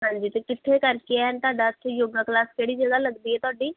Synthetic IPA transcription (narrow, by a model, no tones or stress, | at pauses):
ɦãːɲd͡ʒiːt̪ekɪt̪ʰːekəɾkeɛnt̪ʊaːɖaːt̪ːejoːɡaklaːskeːɽiːd͡ʒəɡaləɡd̪iːɦɛːt̪ʊaːɖiː